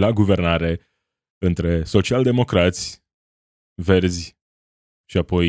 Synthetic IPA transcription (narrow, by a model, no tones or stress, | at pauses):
laɡuve̞rnaɾe̞ | ɨnt̪ɾe̞so̞t͡ʃiald̪e̞mo̞kɾat̪sʲ | ve̞rzʲ | ʃiapo̞j